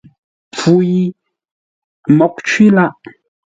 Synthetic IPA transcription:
fu˨˦ji˦ | mɔ˨˦k̚t͡ʃwi˦la˦ʔ

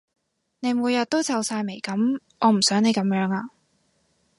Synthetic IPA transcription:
ne˨˧jmuː˨˧jɐ˨t̚t̪o˥wt͡sɐ˨˧wsaː˧jme˨˩jkɐ˨˥m | ɔː˨˧m̩˨˩sœː˨˥ŋne˨˧jkɐ˨˥mjœː˨˥ŋaː˧

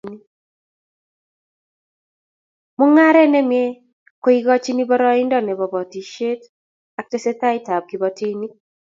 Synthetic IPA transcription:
ni˦ | mʊ˦ŋa˦ɾɛ˦nɛ˦mjɛ˦ | ko˦i˦ɡɔ˦t͡ʃi˦ni˦bɔ˦ɾɔ˦ɪ˦ndɔ˦˨nɛ˨bɔ˨bɔ˨ti˨ʃe˦t | a˨˦k̚te˦se˦ta˦ɪ˦ta˨b̚ɡi˨bɔ˨ti˦ni˦

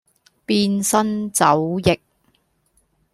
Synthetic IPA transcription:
piː˧nsɐ˥nt͡sɐ˨˥wjɪ˨k̚

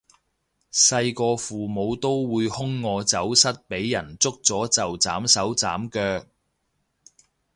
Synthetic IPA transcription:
sɐ˧jkɔː˧fuː˨mo˨˧wt̪o˥wwuː˨˧jhʊ˥ŋːɔː˧t͡sɐ˨˥wsɐ˥t̚pe˨˥jːɐ˨˩nt͡sʊ˥k̚t͡sɔː˨˥t͡sɐ˨wt͡sa̰ː˨˥msɐ˨˥wt͡sa̰ː˨˥mkœː˧k̚

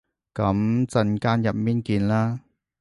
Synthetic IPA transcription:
kɐ˨˦˥mt͡sɐ˧nkaː˥njɐ˨˩p̚miː˥nkiː˧nlaː˥

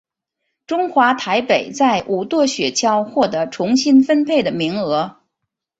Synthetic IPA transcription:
ʈ͡ʂʊ˥ŋxwa˧˥t̪ʰa˧˥ɪpe˨˩ɪt͡sa˥˩ɪʔu˨˩t̪wɔ˥˩ɕɥɛ˨˩t͡ɕʰjɑ˥ʊxwɔ˥˩t̪ɤ˧˥ʈ͡ʂʰʊ˧˥ŋɕi˥nfə˥npʰe˥˩ɪd̪ə˩mi˧˥ŋɤ˧˥

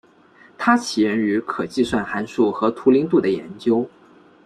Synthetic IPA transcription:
t̪ʰa˥t͡ɕʰi˨˩ɻə˧˥ny˧˥kʰɤ˨˩t͡ɕi˥˧swa˥˩nxa˧˥nʂu˥˩xɤ˧˥t̪ʰu˧˥li˧˥ŋt̪̬u˥˩d̪ə˩jɛ̰˧˥nt͡ɕjo˥ʊ

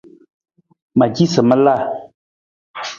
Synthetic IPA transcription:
ma˨d͡ʒi˦sə˨mə˦la˦˨

